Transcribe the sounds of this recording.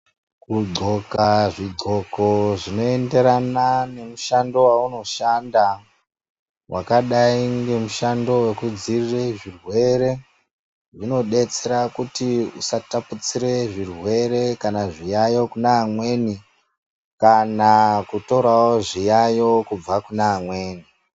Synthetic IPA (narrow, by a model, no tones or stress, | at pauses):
kuɡ͡ǀo̞kaʐiɡo̞ko̞ʐino̞e̞nde̞ɾanane̞muʃando̞wauno̞ʃanda | wʔakaɗaiŋɡe̞muʃando̞we̞kud͡zirireʐirwe̞ɾe̞ | ʐino̞ɗe̞t͡se̞ɾakutiusataput͡siɾe̞ʐirwe̞ɾe̞kanaʐijajo̞kunaːmwe̞ni | kanakuto̞ɾawoʐijajo̞kub͡vakunaːmwe̞ːni